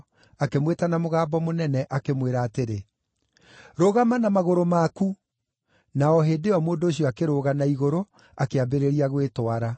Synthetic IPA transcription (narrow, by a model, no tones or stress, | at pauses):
akemwetanamoɣaːbɔmonɛnɛʔakemweɾaːteɾe | ɾoːɣamanamaɣoɾomaku | naɔɦeːdeɔmoːndoːɕiɔakeɾoːɣanaiɣoɾo | akeabeɾeɾiaɣwetwaɾa